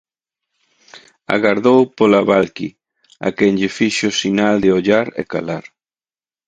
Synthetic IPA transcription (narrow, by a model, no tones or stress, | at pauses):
a̰ɣaɾðowpolaβalkḭ | a̰kɛŋʎɪfiʃʊsinald̪eoʎaɾḛka̰laɾ